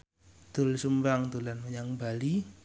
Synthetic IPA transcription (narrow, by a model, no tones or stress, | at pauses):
t̪ʊlsumbaŋt̪ulanməɲaŋbali